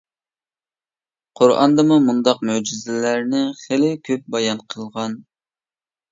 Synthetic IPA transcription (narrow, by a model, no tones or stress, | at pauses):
qʰoɾʔɑ̰nd̪ɨmumund̪ɑq̚mød͡ʒizɪlæɾnɪχelɪkʲʰøp̚bɑjɑnqʰəlˠʁɑn